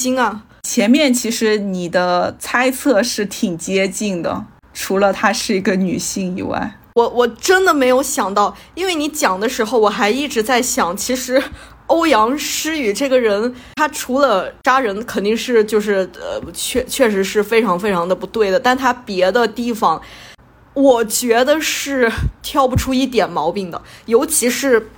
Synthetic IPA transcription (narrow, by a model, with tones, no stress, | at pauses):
i˥ŋɐ˧ | t͡ɕʰjɛ˧˥nmjɛ˥˩nt͡ɕʰi˧˥ʂɻ̩˧˥ni˨˩d̪ə˦t͡sʰa˥ɪt͡sʰɤ˥˧ʂɻ̩˥˩t̪ʰi˨˩ŋt͡ɕjɛ˥t͡ɕi˥˩ŋd̪ə̰˩ | ʈ͡ʂʰu˧˥lə˧t̪ʰa˥ʂɻ̩˥˩i˧˥ɡə˧ny˨˩ɕi˥˩ŋḭ˨˩wa̰˥˩ɪ | wɔ˧˩wɔ˨˩ʈ͡ʂə˥nd̪ə˨me˧˥ɪjo˧˥ʊɕjɑ˨˩ŋt̪ɑ˥˩ʊ | i˥nwe˥˩ɪni˧˥t͡ɕjɑ˨˩ŋd̪ə˦ʂɻ̩˧˥xo˧ʊwɔ˨˩xa˧˥ɪi˥˩ʈ͡ʂɻ̩˧˥t͡sa˥˩ɪɕjɑ˨˩˦ŋt͡ɕʰi˧˥ʂɻ̩˧˥ | o˥ʊjɑ˧˥ŋʂɻ̩˥y˨˩ʈ͡ʂɤ˥˩ɡə˩ɻə˧˥n | t̪ʰa˥ʈ͡ʂʰu˧˥lə˧ʈ͡ʂa˥ɻə˧˥nkʰə˨˩nt̪i˥˧ŋʂɻ̩˥˧t͡ɕjo˥˧ʊʂ̬ɻ̩˥˩ə̰˧t͡ɕʰɥɛ˥˧t͡ɕʰɥɛ˥˩ʂ̬ɻ̩˧˥ʂɻ̩˥˩fe˥ɪʈ͡ʂʰɑ˧˥ŋfe˥ɪʈ͡ʂʰɑ˧˥ŋd̪ə˧pu˧˥t̪we˥˩ɪd̪ə˩t̪a˥˩nt̪ʰa˥pjɛ˧˥d̪ə˧t̪i˥˩fɑ˨˩ŋ | wɔ˨˩t͡ɕɥɛ˧˥d̪ə˧ʂɻ̩˥˩t̪ʰjɑ˥˩˧ʊpu˨˩ʈ͡ʂʰu˥i˥˩t̪̬jɛ˨˩nmɑ˧˥ʊpi˨˩ŋd̪ə̰˩jo˧˥ʊt͡ɕʰi˧˥ʂɻ̩˧˥